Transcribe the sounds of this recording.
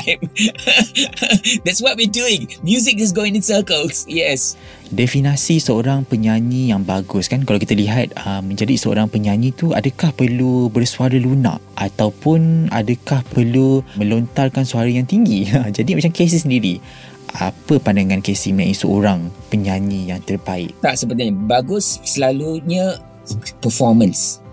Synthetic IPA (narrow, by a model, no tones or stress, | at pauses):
m | d̪ɛtswɔt̚wiəduɪ̃ŋmjuzɪkɪs̬ɡoɪ̃ŋɪsəkəlsjɛs | dɛfinasisəoɾaŋpəɲaɲĩjaŋbaɡʊskankalawkit̪aliɦat̪̚əmːə̃ɲd͡ʒadisəo̰ɾaŋpəɲaɲĩt̪ua̰dəkahpərlubərsuaɾəluna̰ʔat̪awpʊna̰dəkahpərlumə̃lont̪arkansuaɾəjaŋt̪iŋɡiəd͡ʒadimat͡ʃamkes̬ɪsəndiɾi | a̰pəpandaŋãnkesimãisəʔo̰ɾaŋpəɲaɲĩjaŋt̪ərbaɪ̰ʔ̚t̪aʔsəbpət̪iɲəbaɡʊsːəlaluɲə̃ | pəfɔmə̃ns